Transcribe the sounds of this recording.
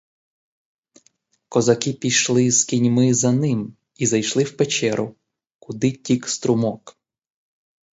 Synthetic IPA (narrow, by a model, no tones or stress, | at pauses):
kɔzɐkɪpʲijʃlˠɪskʲinʲmɪzɐnɪm | izɐjʃlˠɪwpet͡ʃɛɾʔʊ | kʊd̪ɪtʲikst̪ɾʊmɔk